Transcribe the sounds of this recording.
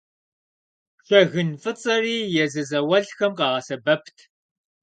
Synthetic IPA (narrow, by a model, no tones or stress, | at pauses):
ɬɐɣɨnfɨt͡sʼɐriːjɛzɨzɐwɐɮxɐmqɑːʁɐsɐbɐpʰtʰ